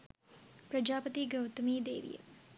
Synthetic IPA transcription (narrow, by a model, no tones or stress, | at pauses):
pɾəd͡ʒaːpət̪iɡəwt̪miːd̪ḛːʋḭjə̰